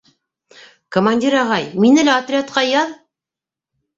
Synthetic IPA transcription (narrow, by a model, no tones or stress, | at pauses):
komanʲdʲiɾɑʁɑjminɘ̆læɐt̪rʲat̪̚qɑjɑð